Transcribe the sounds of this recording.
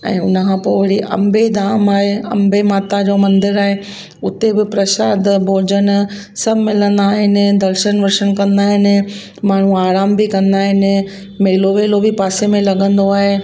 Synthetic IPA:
ɛ̰̃ːʊnəkʰãːpoːʋɐɽiʔɐ̰mbed̪aːmaːɦeɐ̰mbemaːt̪ad͡ʑoːmɐ̃nd̪ɪɾaːɦe | ʊt̪ebɪpɾɐʃaːd̪ʱbʱoːd͡ʑən | sɐbʱmɪlə̃nd̪aːɦɪnɪ̆d̪ɐlʃənʋɐɾʃənkɐ̃nd̪aːɦɪnɪ̆ | maːɳ̤ũaːɾaːmbɪkɐ̃nd̪aːɦɪnɪ̆ | meːloʋeːlobipaːsemẽlɐɠə̃nd̪oaːɦe

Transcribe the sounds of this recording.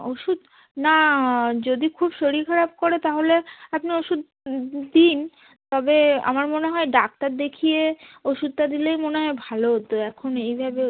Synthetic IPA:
oʃud̪ | nad͡ʑod̪ikʰubʃoɾikʰaɾab̚koɾet̪aɦoleapnioʃud̪̚ | d̪in | t̪ɔbea̰maɾmoneɦɔeɖak̚ʈaɾd̪ekʰijeoʃud̪̚t̪ad̪ilejmoneɦɔebʱalot̪oɛkʰonejbʱabe

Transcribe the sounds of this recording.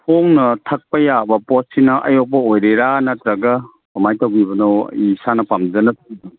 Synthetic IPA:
pʰoŋnɐtʰɐk̚pɐjabɐpɔtsinɐʔɐ̰jɔk̚pɐojɾeɾanɐt̪ɾɐɡɐ | amajtawɡibɐnɐwisanɐpamzɐnɐtʰudi

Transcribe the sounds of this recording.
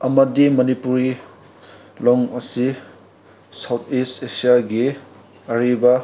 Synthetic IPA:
ɐmɐdimɐnipuɾi | lɔŋɐsi | sawt̪ʰistesijaɡi | ɐɾibɐ

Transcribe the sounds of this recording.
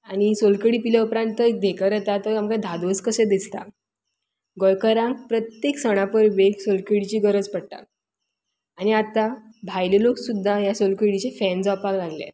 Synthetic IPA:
aɽ̃isolkəɽipileupɾãnəek̚d̪ʱekəɾet̪at̪əɾamkãd̪ʱad̪oskəsẽd̪ist̪a̰ | ɡɔjkəɾãŋk̚pɾət̪jeksəɽ̃apəɾbeksolkəɽit͡ɕiːɡəɾəd͡zpəɽ̚ʈ̪a̰ | añiat̪abʱajleloksud̪ʱːajasolkəɽit͡ɕefɛnd͡zʋapaklaɡljḛ

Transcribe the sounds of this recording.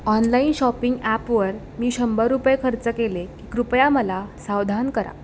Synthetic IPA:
ɔnlainɕɔpiŋɡæpʋəɾ | miːɕəmbəɾupjkʰəɾt͡səkelekiːkɾupjaməlasawd̪ʱankəɾa̰

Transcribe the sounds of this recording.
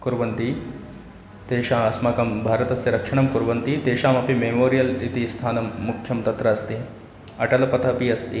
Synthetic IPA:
kuɾʋɐnt̪i | t̪eːʃaːɐsmɐkɐmbʱaːɾɐt̪ɐsjɐɾɐkʂɐɳɐmkuɾʋɐnt̪it̪eːʃaːmɐpimemoːɾijɐlit̪ist̪ʰaːnɐmːukʰjɐmt̪ɐt̪ɾɐːst̪i | ɐʈɐlɐpɐt̪ʰɐpiɐst̪i

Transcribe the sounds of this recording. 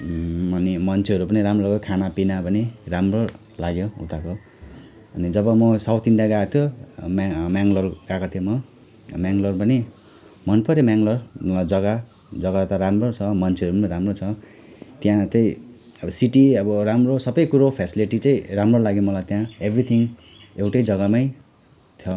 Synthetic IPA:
ʌnimʌnt͡sʰeʌɾupʌniɾamrolaɡjokʰanapinapʌniramro | laɡjoṵt̪ako | ʌnid͡zʌbʌmʌsawt̪ind̪jaɡat̪ʰjomamjaŋɡlʌrɡakat̪ʰijomʌ | mjaŋɡlʌrpʌni | mʌnpʌɾemaŋɡlʌrmʌlajd͡zʌɡa | d͡zʌɡat̪ʌɾamrot͡sʰʌmʌnt͡sʰeʌɾumʌɾamrot͡sʰʌ | t̪jãt̪ʌĩ | siʈiʌbʌɾamrosʌbʌjkuɾopʰesiliʈit͡sʌ̃ĩramrolaɡjomʌlajt̪jãebrit̪ʰiŋ | ewʈʌjd͡zʌɡamaj | t̪ʰjʌ

